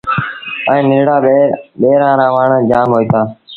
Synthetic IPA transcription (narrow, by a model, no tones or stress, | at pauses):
ə̃ĩːnɪlɽaːɓeːɾãːɾãːʋaːɳəd͡ʒaːmɦoːiːt̪aː